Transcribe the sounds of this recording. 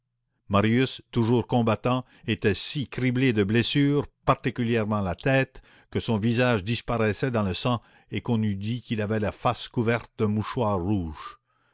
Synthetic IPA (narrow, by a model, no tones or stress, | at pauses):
maʁjyst̪uʒuːʁkɔ̃bat̪ɑ̃ | et̪ɛsikʁibled̪əblesyːʁpaʁt̪ikʲyljɛʁmɑ̃lat̪ɛːt̪ | kəsɔ̃vizaʒd̪ispaʁɛsɛd̪ɑ̃ləsɑ̃ | ekɔ̃nyd̪ikilavɛlafaskuvɛʁt̪̚d̪əmuʃwaːʁːuːʒ